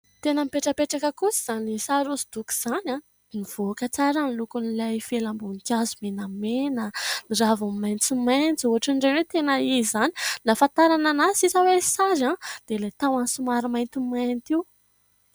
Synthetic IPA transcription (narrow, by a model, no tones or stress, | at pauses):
t̪enəmipeʈ͡ʂəpeʈ͡ʂakəkusiz̥anisaɾuzid̪̥uku̥z̥ana | niv̥okət͡saɾanlukunilajfelambunk̪ʲazumenamenəniravummajnt͡sumajnt͡suɦaʈ͡ʂaɳɖ͡ʐenwet̪enəizani̥lafãnt̪aɾananasisawesaɾãd̪̥elat̪awansumaɾimajnt̪umajnt̪iw